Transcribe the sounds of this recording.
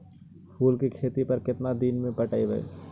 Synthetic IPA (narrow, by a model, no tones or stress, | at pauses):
pʰuːlkikʰeːt̪ipɐɾkɪt̪nad̪iːnmẽpɐʈaːibəḛ